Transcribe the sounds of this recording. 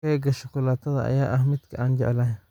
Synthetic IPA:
ɐɡɐʃɐkʰʊlaːt̪ʰɐðɐ̰ʔɐ̰jaːʔɐhmɪd̪kʰɐʔaːnt͡ʃɛʕɛlɐɦɛn

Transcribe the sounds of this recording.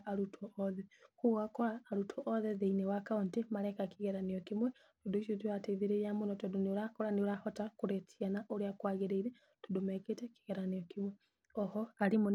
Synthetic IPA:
ʔaɾutʰɔʔɔðɛkuɣakɔɾaːɾutʰɔʔɔðɛðeinɛwakauntemaɾɛkakiɣɛɾaniɔkimwɛ | todoiʃotuateðiɾejamonɔtodonioɾakɔɾaneoɾahɔtakuɾɛtianaʔoɾeakwaɣeɾeiɾɛ | todomɛketɛki̥ɣɛɾaniɔkimwɛ | ɔhɔaɾimon

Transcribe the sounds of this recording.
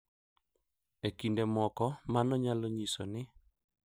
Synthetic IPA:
ekindemɔkɔmanɔɲalɔɲisonɪ

